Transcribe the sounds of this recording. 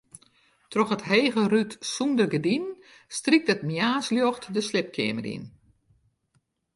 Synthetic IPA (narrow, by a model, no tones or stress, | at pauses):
trɔxətɦeːɣərytsundərɡədin | strik̚tətmjaːsljɔxtdəslɪp̚kʰɪ̰əmərḭn